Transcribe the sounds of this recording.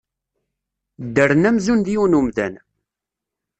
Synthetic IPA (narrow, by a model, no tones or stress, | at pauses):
d̪ːəɾnæmzund̪iunumðæ̰n